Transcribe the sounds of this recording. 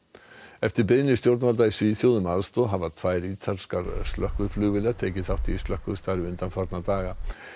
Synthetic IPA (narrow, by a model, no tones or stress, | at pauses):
ɛft̪ɪɾpeðnɪst̪jowɾt̪nalt̪aisviːθjowðʏmaːðst̪oɦavat̪ʰvaːjɾit̪ʰalskaɾst̪lœhkvʏɾflʏːvɪlat̪ʰejcɪθaht̪ist̪lœhkvʏ̥st̪aɾɪʏnt̪anfaɾt̪nat̪aːɣa